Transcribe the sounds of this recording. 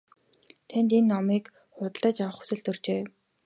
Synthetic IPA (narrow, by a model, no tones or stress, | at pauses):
t̪ʰænt̪enːɔmiːk | χʊt̪ɮə̆t͡ɕawə̆χu̥sɘ̆ɬt̪ɵrt͡ɕeː